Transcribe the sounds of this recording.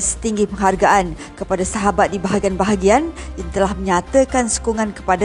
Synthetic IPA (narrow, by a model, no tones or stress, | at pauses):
sə̥t̪iŋɡipəŋɦarɡaʔan | kəpadasaɦabat̪̚dibaɦaɡianbaɦaɡianjaŋt̪əlahmə̃ɲat̪əkansu̥kuŋãnkə̥pada